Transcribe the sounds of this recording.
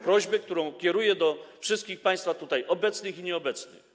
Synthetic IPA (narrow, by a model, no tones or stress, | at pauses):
pɾɔʑbɛk̚t̪uɾɔ̃w̃kʲɛɾujɛd̪ɔfʂɘst̪kʲixpãj̃st̪fat̪ut̪ajʔɔbɛt̪snɘxiɲɛɔbɛt̪snɘ̰x